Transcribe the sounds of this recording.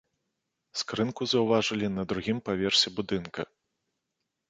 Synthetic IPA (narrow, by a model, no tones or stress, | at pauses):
skɾɨnkuzɐwvaʐɨlʲinɐd̪ɾuɣʲimpavʲɛrsʲɛbud̪ɨnkʰɐ̰